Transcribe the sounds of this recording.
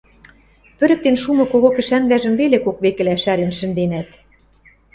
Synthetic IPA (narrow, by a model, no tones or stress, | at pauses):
pɘ̆ɾɘ̆k̚t̪enʃumɤ̆koɣokɘ̆ʃænlæʒə̆mβelekokβekɘ̆læʃæɾenʃɘ̆nd̪enæt̪